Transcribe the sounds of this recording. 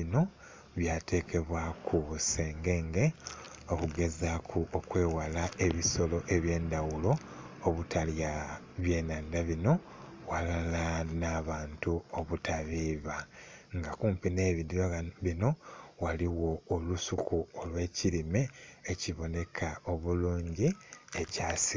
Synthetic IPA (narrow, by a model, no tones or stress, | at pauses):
ino̞ | βjate̞ːkʰe̞βwakʰuβuseːŋɡe̞ŋɡe̞ | okuɡe̞zakʰuokwe̞ːwalae̞βiso̞lo̞ʔe̞βje̞ːndawulo̞ː | βutʰalja | βje̞ːnaːndaβino̞ | walalanaːβaːntuoβutʰaβiːβaŋɡakuːmpine̞ːβidjoβino̞waliwo̞ːlusukuolwe̞ːciɾime̞ːciβo̞ne̞kʰao̞βuluːɲɟiecaːsi